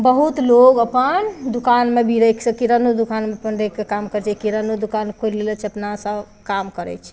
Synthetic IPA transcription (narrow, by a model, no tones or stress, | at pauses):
bəɦut̪loɡəpənd̪ukanmebʱiɾəksə̃kiɾənud̪ukanmepənɖəjkːekamkəɾt͡ʃʰɛkiɾənud̪ukankʰoɾlelət͡ʃʰəpnasəb | kamkəɾɛ̰t͡ʃʰɛ̥